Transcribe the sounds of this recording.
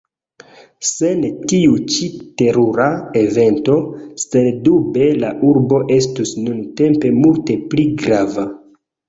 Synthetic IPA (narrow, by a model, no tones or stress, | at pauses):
se̞ntiut͡ʃite̞ɾuɾae̞ve̞nto̞sendube̞laʔuɾbo̞ʔe̞stusnunte̞mpe̞multe̞pliɡɾava